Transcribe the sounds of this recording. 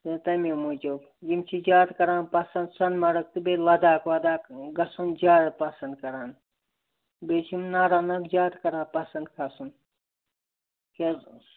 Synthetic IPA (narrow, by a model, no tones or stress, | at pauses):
et̪ɐmomud͡ʒob | ɡimt͡ʃʰid͡ʒaːt̪kɐɾãːnpɐsɐnd̪sɐnmɐɽɐk̚t̪ɨbelɐd̪aːkʋɐd̪aːkɡɐsund͡ʒaːɾɽpɐsɐnd̪̚kɐɾaːn | beːt͡ʃʰimnaɾaːnɐkd͡ʒaːt̪kɐɾãːpɐsɐnd̪kʰɐsun | ke